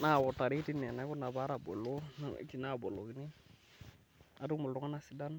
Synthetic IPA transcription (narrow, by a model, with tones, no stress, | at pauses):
na˦˨wo˨ta˨ɾi˦ti˦nɛ˨na˨˦ku˦na˨ba˦ɾa˨bo̰˨lo˦na̰˦˨˦ki˨na˦˨bo˨lo˨ki˨˦ni˦ | a˨du˦mu˨lu˦ŋa˦na˨si˨˦da˦n